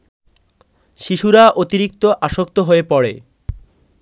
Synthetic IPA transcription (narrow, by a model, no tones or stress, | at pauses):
ʃiʃuɾaʔot̪iɾik̚t̪oʔaʃok̚t̪oɦoepɔɽḛ